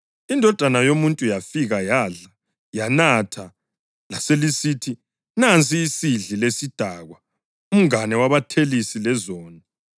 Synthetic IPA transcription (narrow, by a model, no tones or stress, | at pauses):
indʱɔd̥ʱanajomuntʼujafiɣajaːɮa | janatʰa | laselisiːtʰi | nant͡sʰʼiːsiɮilesid̥ʱaɣwa | um̩ŋanɛwaβatʰelisilɛzɔːna